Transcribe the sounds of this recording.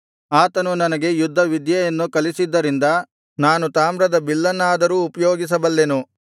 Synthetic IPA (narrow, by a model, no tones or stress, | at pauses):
aːt̪ɐnunɐnɐɡe̞jud̪ʱːɐʋid̪jɐjɐnːukɐlisid̪ːɐɾind̪ɐ | naːnut̪aːmɾɐd̪ɐbilːɐnːaːd̪ɐɾuːpɐjoːɡis̬ɐbɐlːenu